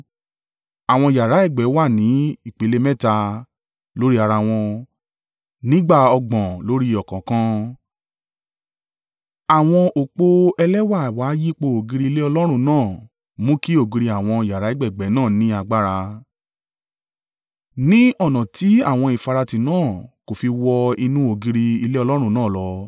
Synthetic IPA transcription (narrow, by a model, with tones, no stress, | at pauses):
a˨w̃ɔ̃˧˨ja˨ɾa˨˦ɛ˦˨ɡ͡bɛ˨˦wa˦˨nĩ˨˦i˦˨k͡pe˨˦le˦mɛ̃˦˨ta˧ | lo˨˦ɾi˦a˧ɾa˧w̃ɔ̃˧ | nĩ˦ɡ͡ba˦˨ɔ˧ɡ͡bɔ̃˨lo˨˦ɾi˦ɔ˨kɔ̃˨kã˧ | a˨w̃ɔ̃˧ʔo˨k͡po˧ɛ˧lɛ˦wa˦˨waː˨˦ji˦k͡po˧o˨ɡi˧ɾi˧le˦ɔ˧lɔ˦ɾ̃ũ˧nãː˦˨ | mũ˦ki˦o˦˨ɡi˧ɾi˧a˨w̃ɔ̃˧ja˨ɾa˨˦i˦ɡ͡bɛ˦˨ɡ͡bɛ˨˦nãː˦˨nĩ˦a˧ɡ͡ba˦ɾa˧ | nĩ˦ɔ˦˨nã˨ti˨˦a˦˨w̃ɔ̃˧i˨fa˨˧ɾa˧ti˨nãː˦˨ko˨fi˧wɔ˧i˧nũ˦o˨ɡi˧ɾi˧i˧le˦ɔ˧lɔ˦ɾ̃ũ˦˧˨nãː˦˨lɔ˨˧